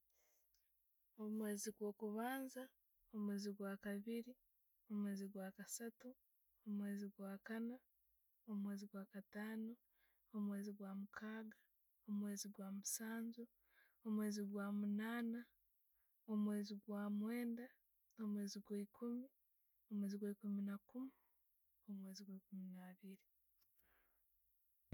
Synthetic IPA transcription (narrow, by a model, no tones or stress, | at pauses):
omwe̞ːziɡwo̞ːkuβaːnza | omwe̞ːziɡwaːkaβiɾi | o̞mwe̞ːziɡwaːkasatu | omwe̞ːziɡwaːkana | omwe̞ːziɡwaːkataːno | omwe̞ːziɡwaːmukʰaːɡa | omwe̞ːziɡwaːmusaːnzu | omwe̞ːziɡwaːmunaːna | omwe̞ːziɡwaːmweːnda | omwe̞ːziɡwaikʰumi | o̞mweːziɡwaikuminakumi | omwe̞ːziɡwaikuminaβiɾi